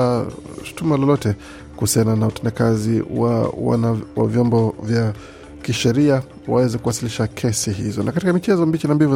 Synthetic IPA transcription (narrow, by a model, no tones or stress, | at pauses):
ʃu̥tumalɔlɔtɛ | kuhusiananautɛndakaziwa̰wa̰nawa̰vjɔmbɔvja | kiʃɛɾia | wawɛzɛkuwasiliʃakʰɛsiɦizɔnʔakatikamit͡ʃɛzɔmbit͡ʃinambivu